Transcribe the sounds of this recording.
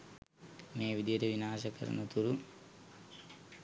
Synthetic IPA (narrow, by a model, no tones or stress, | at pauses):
meːʋid̪ijɐɾeʋinaːʃɐkɐ̰ɾɐ̰nut̪uɾu